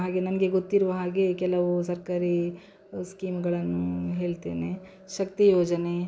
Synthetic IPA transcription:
ɦaːɡenɐmɡeɡot̪ːiɾʋɐɦaːɡekɛlɐʋusɐɾkaːɾi | skiːmɡɐɭɐnːuɦeːɭt̪ḛːne | ʃɐkt̪ijoːd͡ʒɐne

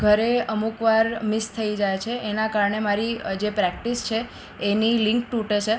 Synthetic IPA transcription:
ɡʱəɾeəmukʋaɾmɪst̪ʰəid͡ʒajt͡ʃʰeʔːnakaɾɳemaɾid͡ʒepɾɛk̚ʈist͡ʃʰeː | nilɪ̃ŋkʈuʈet͡ʃʰe

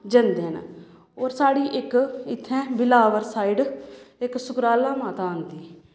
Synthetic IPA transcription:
d͡ʒənd̪ẽːn̰ | oːɾsaːɽiːʔɪkɪt̪ʰːɛ̃ːbɪlaːʋəɾsaːiɖɪksʊkɾaːlãːmaːt̪ãːənd̪iː

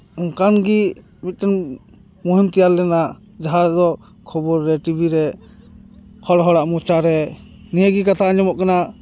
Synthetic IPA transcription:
ɔŋkanɡi | mit̪̚tɛn | mɔɦimt̪ɛjaɾlɛna | d͡ʒaɦad͡ʒd̪ɔ | kʰɔbɔɾːɛʈibʱiɾɛ | kʰɔɽɦɔɽaʔmɔt͡ʃaɾɛ | nijəɡikat̪ʰaɲɔmɔʔkana

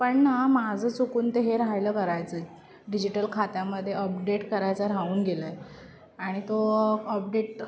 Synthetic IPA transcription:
pəɳnamad͡zʱəːt͡sukuːnt̪eɦeɾajləːkəɾajt͡səe | ɖid͡ʑiʈəlkʰat̪jaməd̪ʱːjeəp̚ɖeʈkəɾajt͡saɾauːnɡeləje | aɽ̃it̪oəp̚ɖeʈ

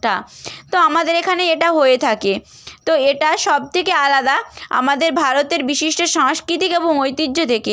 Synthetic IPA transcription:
ʈat̪oamad̪eɾekʰaneeʈaɦoet̪ʰake | t̪oeʈaʃɔb̚t̪ʰekealad̪aa̰mad̪eɾbʱaɾot̪eɾbiʃiʃʈoʃaŋʃkɾit̪ikeboŋojt̪id͡ʑːod̪ʰeke

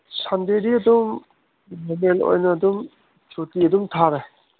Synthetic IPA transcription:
sandeɾiɐdum | memelo̰jnɐːdum | t͡ʃotiɐdumtʰaɾaj

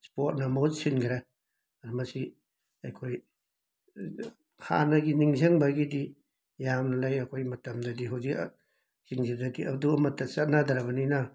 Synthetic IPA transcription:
spot̚nɐmozsinɡʰiɾa | ɐdumɐsi | ɐjkʰoj | ha̰nɐɡiniŋzeŋbɐɡidi | jamnɐlajɐkʰojmɐtɐmdɐdiɦawzik | ziŋzidadiʔɐ̰duɐmɐtːɐsɐt̚nadɐɾɐbɐninɐ

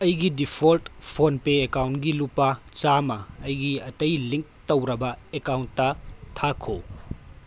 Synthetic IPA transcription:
ɐjɡidipʰoltpʰonpeekawntɡilupːɐt͡ʃamɐːjɡiɐtɐjliŋk̚towɾɐbɐekawntːɐtʰakʰo̰

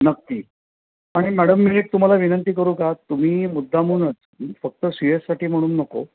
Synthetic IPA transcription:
nəkːiː | aɽ̃imæɽəmːileʈ̚t̪um̤alaʋinənt̪iːkəɾũːkat̪ːum̤iːmud̪ʱːamuːnət͡sː | fək̚t̪əsijəssaʈiːm̤əɽ̃uːnːəko̰

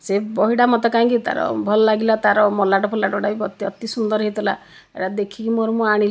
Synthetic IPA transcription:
sebɔɦiɽamɔt̪ɛkaĩkit̪a̰ɾɔ̰bʱɔlɔlaɡilat̪aɾɔmɔlaʈɔpʰɔlaʈɔɖabibɔt̪iɔt̪isund̪ɔɾɦit̪ɔla̰ | ḛɽad̪ekʰikimoɾɔmuaɽ̃il

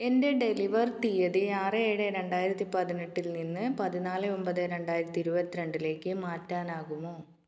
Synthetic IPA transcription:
e̞nde̞ɖe̞liʋɐrt̪ijɐðɨaːrɨeːɽɨɾe̞ɳɖaːjiɾɐt̪ːipɐðineʈːilninːɨpɐðinaːlɨo̞mbɐðɨɾe̞ɳɖaːjiɾɐt̪ːiɾubɐt̪ːiɾeɳɖile̞ːkːɨmaːtːaːnaːɣumo̞ː

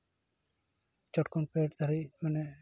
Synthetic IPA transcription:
t͡ʃɔʈkonpeʈd̪aɾimane

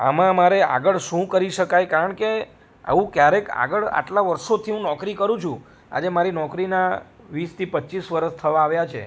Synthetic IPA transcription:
a̰mãmaɾea̰ɡəɭʃũkəɾiʃəkajkaɾəɳke | a̰ʋũkjaɾeka̰ɡəɭa̰ʈlaʋəɾʃot̪ʰiɦũnɔkɾikəɾũt͡ʃʰũ | a̰d͡ʒemaɾinɔkɾina | ʋist̪ʰipətːt͡ʃisʋəɾəst̪ʰəʋãːʋjat͡ʃʰḛ

